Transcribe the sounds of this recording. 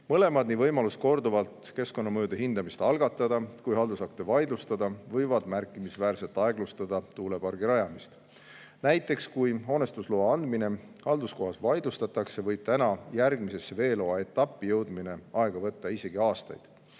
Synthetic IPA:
mɤle̞mɑd̪nivɤjmɑlusko̞rd̪uvɑlt̪ˑke̞sko̞nːɑmɤjud̪̥e̞ɦind̪ɑmist̪ɑlɡ̥ɑt̪ːˑɑd̪̥ɑkujɦɑld̪usɑk̚t̪evɑjd̪lust̪ɑd̪̥ɑvɤjvɑd̪̥mærkːˑimisvæːrse̞lt̪ˑɑe̞ɡlust̪ɑd̪̥ɑt̪uːlepɑrɡ̥iɾɑjɑmist̪ | næjt̪ːˑe̞kskujɦo̞ːne̞st̪usloːɑnd̪mine̞ | hɑld̪usko̞ɦɑsvɑjd̪lust̪ɑt̪ːɑkse̞vɤjb̥̚t̪ænɑjærɡmise̞sːe̞ve̞ːlo̞ɑe̞t̪ːˑɑpːˑijɤwd̪mine̞ɑe̞ɡ̥ɑvɤ̞t̪ːɑise̞ɡ̥iɑːst̪ɑ̰jd̪̥

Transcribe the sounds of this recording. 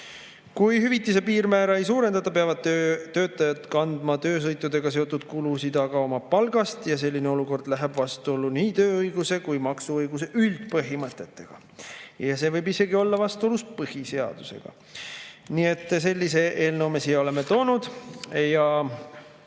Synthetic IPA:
kujhyvit̪ːise̞piːɾmæːɾɑejsuːɾe̞nd̪̥ɑt̪ːˑɑpeɑvɑd̪̥̚t̪øt̪ːø̞ːt̪ːˑɑjɑd̪kɑnd̪̥mɑt̪ø̞ːs̬ɤjt̪ːˑud̪e̞ɡ̥ɑse̞o̞t̪ːˑud̪̥̚kulusid̪ɑɡɑo̞mɑpɑlɡ̥ɑst̪jɑse̞lʲːineo̞luko̞rd̪̥læɦeb̥vɑst̪uo̞lːuniːt̪øːɤjɡ̥use̞kujmɑksuɤjɡ̥use̞ʔylt̪̚pɤɦimɤt̪ːˑe̞t̪ːe̞ɡ̥ɑ̰ | jɑse̞vɤjbise̞ɡio̞lːɑvɑst̪uo̞luspɤhise̞ɑ̰d̪̥use̞̰ɡ̥ɑ̰ | niːe̞t̪ːˑse̞lʲːise̞ʔe̞ːlnowme̞sio̞le̞me̞t̪o̞ːnud̪̥jɑ

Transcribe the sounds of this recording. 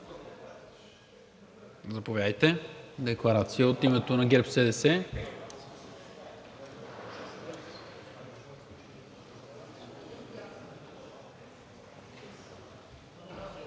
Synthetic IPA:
zɐpovʲjad̪əjt̪ɛd̪ɛklˠɐɾat̪sijəot̪imɛt̪onɐɡʲɛɾpsɛd̪ɛsɛ

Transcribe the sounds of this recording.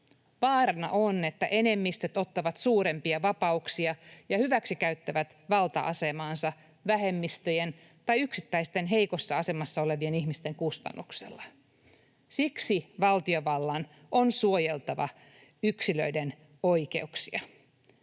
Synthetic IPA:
ʋɑːrɑnɑ̰ʔone̞t̪ːæ̰ʔe̞ne̞mːist̪et̪o̞t̪ːɑʋɑt̪suːɾe̞mpiɑʋɑpɑuksiɑjɑhyʋæksikæɥt̪ːæʋæt̪ʋɑlt̪ɑ̰ʔɑ̰se̞mɑːnsɑ | ʋæhe̞mːist̪øjen | t̪ɑjyksit̪ːæjst̪e̞nɦejko̞sːɑɑse̞mɑsːɑo̞le̞ʋie̞nihmist̪e̞ŋkust̪ɑ̰nːuksḛlːɑ | siksiʋɑlt̪io̞ʋɑlːɑn | ʔonsuo̞jelt̪ɑʋɑ̰ | yksilø̰iden | ojke̞̰uksiɑ

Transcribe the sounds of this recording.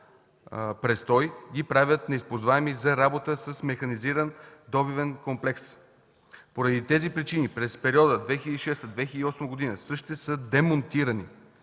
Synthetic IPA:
pɾɛst̪ɔjɡʲipɾavʲət̪nɛispozvaɛmizɐɾabot̪əsəsmɛxɐniziɾənd̪ɔbivɛnkomplɛks | poɾɐd̪it̪ɛzipɾit͡ʃinipɾɛspɛɾiɔd̪əd̪vɛxʲiləd̪iʃɛst̪əd̪vɛxʲiləd̪iɔsməɡod̪inəsɤʃt̪ɛsəd̪ɛmont̪iɾəni

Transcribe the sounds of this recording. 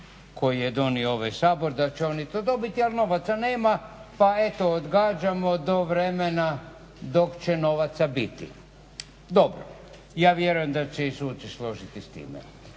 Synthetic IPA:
ko̞jijed̪o̞niooʋajsaːbo̞ɾd̪at͡ɕeo̞nit̪oːd̪o̞bit̪ialˠno̞ʋat̪sane̞ːmapae̞t̪ood̪ɡaːd͡ʑamo̞d̪o̞ʋɾe̞mena | d̪o̞kt͡ɕeno̞ʋat̪sabit̪ḭ | d̪o̞bɾo̰ | jaːʋjeɾujemd̪at͡ɕeisuːt͡ʃ̪islo̞ʒit̪ist̪ḭːmḛ

